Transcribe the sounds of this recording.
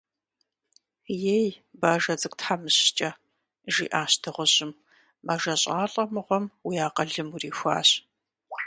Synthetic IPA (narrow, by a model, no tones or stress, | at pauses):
jejbaːʒɐd͡zʼɨk̚ʷʼtħamɨɕt͡ʃʼɐ | ʒḭːʔaːɕtʰɨʁʷʊʑɪmː | ɐʒɐɕʼaːɬʼɐmɨʁʷɔmwijaːqɐɮɨmuriːxʷa̰ːɕ